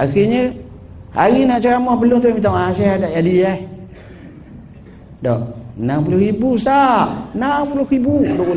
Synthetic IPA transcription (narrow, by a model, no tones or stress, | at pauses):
axiɲə | ha̰ɾinaʔt͡ʃaɾamɔhpəluŋt̪umit̪aŋasɛhadaʔjadiah | dɔʔnamp̬ulʊhɾibusaʔnampulʊhɾibuduku